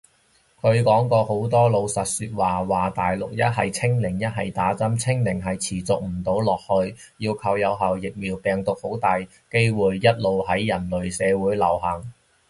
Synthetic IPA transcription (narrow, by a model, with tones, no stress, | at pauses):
kʰɵ˨˧ɥkɔː˨˥ŋkɔː˧ho˨˥wt̪ɔː˥lo˨˧wsɐ˨t̚syː˧t̚waː˨waː˨t̪aː˨jlʊ˨k̚jɐ˥t̚hɐ˨jt͡sʰɪ˥ŋlɪ˨˩ŋjɐ˥t̚ɦɐ˨jt̪aː˨˥t͡sɐ˥mt͡sʰɪ˥ŋlɪ˨˩ŋɦɐ˨jt͡sʰiː˨˩t͡sʊ˨k̚m̩˨˩t̪o˨˥wlɔː˨˩k̚hɵ˧ɥ | jiː˧wkʰɐ˧wjɐ˨˧wɦɐ˨wjɪ˨k̚miː˨˩wpɛː˨ŋt̪ʊ˨k̚ho˨˥wt̪aː˨j | ke˥jwuː˨jːɐ˥t̚lo˨˧whɐ˨˥jːɐ˨˩nlɵ˨ɥsɛː˨˧wuː˨˥jlɐ˨˩wɦɐ˨˩ŋ